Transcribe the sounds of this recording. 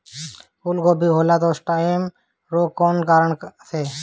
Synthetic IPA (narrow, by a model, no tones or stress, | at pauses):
kulɡɔbʱiɦolat̪ɔsʈaem | ɾokɔnkaɾəɳse